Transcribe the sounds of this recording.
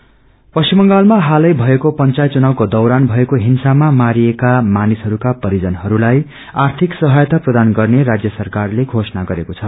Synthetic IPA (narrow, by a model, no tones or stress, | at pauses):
pʌsimʌŋɡalmaɦalʌjbʱʌekopʌnt͡sajt͡sunawkod̪ʌwɾanbʱʌekoɦinsamamaɾiekamanisɦʌɾukapʌɾid͡zʌnɦʌɾulaj | art̪ʰiksʌɦajʌt̪aprʌd̪anɡʌrneɾad͡zjʌsʌrkarleɡʱosʌnaɡʌɾekot͡sʰʌ